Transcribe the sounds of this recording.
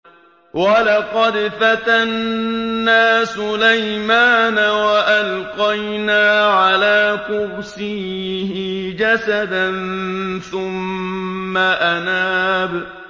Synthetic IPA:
walɑqɑd̪fat̪anː | aːsʊlajmaːnawaʔalqɑjnaːʕalaːkʊwsiːhɪd͡ʒasad̪anθʊmː | aʔanaːb

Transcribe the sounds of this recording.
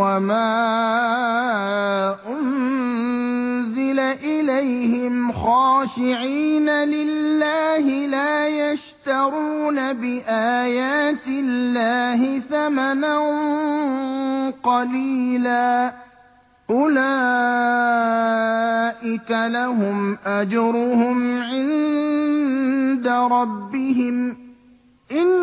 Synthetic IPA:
wamaː | ʔʊnn | zɪlaʔɪlajhɪmxɑːʃɪʕiːnalɪlːaːɦɪlaːjaʃt̪ɑɾuːnabɪʔaːjaːt̪ɪlːaːɦɪθamanan | qɑliːlaː | ʔʊlaː | ʔɪkalaɦʊmʔad͡ʒɾʊhʊmʕɪn | d̪aɾˤɑbːɪɦɪm | ʔɪn

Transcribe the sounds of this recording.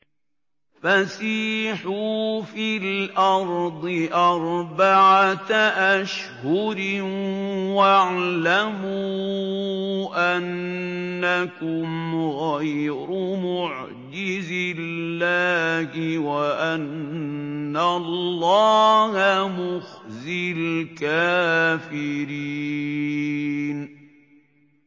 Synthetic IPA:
fasiːħuːfilʔɑɾˤd̪ˤɨʔɑɾˤbaʕat̪ʔaʃhʊɾɪ | waʕlamuː | ʔanː | akʊmɣajɾʊmʊʕ | d͡ʒɪzɪlːaːhɪwaʔanː | alːɑːhamʊxzɪlkaːfɪɾiː | n

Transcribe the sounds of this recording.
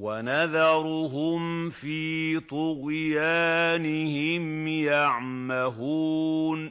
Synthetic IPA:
wanaðɑɾˤʊɦʊmfiːt̪ʊɣjaːnɪhɪmjaʕ | maɦuːn

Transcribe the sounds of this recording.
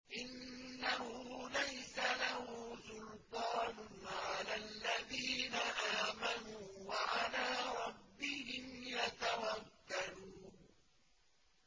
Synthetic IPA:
ʔɪnːahʊːlajsalahʊːsʊlt̪ˤɑːnʊʕalalːaðiːnaʔaːmanuːwaʕalaːɾˤɑbːɪhɪmjat̪awakːaluː

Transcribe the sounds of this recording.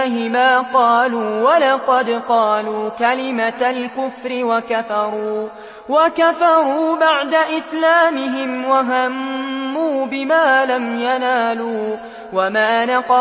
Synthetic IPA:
ɦɪmaːqɑːluːwalɑqɑd̪qɑːluːkalɪmalkʊfɾɪwakafɑɾˤuː | wakafɑɾˤuːbaʕd̪aʔɪslaːmɪɦɪmwaɦamːuːbɪmaːlamjanaːluː | wamaːnɑqɑ

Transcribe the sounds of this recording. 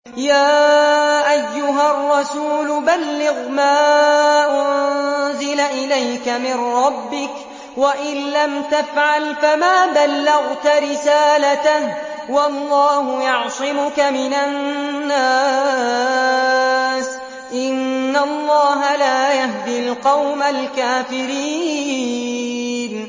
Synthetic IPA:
jaːʔajːʊɦarˤːɑsuːlʊbalːɪɣmaːʔʊnzɪlaʔɪlajkamɪnɾˤɑbːɪk | waʔɪnlamt̪afʕalfamaːbalːɑɣt̪aɾɪsaːlat̪ah | wɑlːɑːhʊjɑʕsˤɪmʊkamɪnanːa | s | ʔɪnːalˤːɑːɦalaːjahd̪ɪlqɑwmalkaːfɪɾiː | n

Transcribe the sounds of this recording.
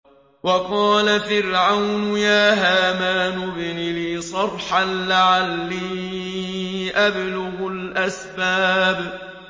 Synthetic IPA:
wɑqɑːlafɪɾʕawnʊjaːɦaːmaːnʊbnliːsˤɑrˤħanlaʕalːiː | ʔablʊɣʊlʔasbaːb

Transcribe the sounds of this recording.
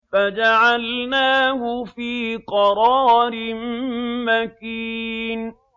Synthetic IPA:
fad͡ʒaʕalnaːhʊfiːqɑɾˤɑːɾɪmmakiːn

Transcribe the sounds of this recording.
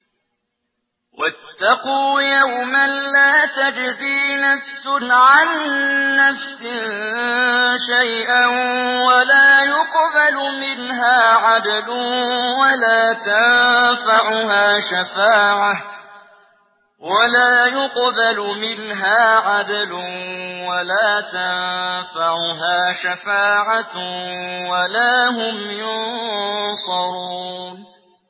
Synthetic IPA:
wʔat̪ːɑquːjawmanlaːt̪ad͡ʒziːnafsʊʕanː | afsɪ | ʃajʔanwalaːjʊqbalʊmɪnɦaːʕad̪alʊwalaːt̪anfaʕʊɦaːʃafaːʕa | walaːjʊqbalʊmɪnɦaːʕad̪alʊwalaːt̪annfaʕʊɦaːʃafaːʕa | walaːɦʊmjʊnsˤɑɾuːn

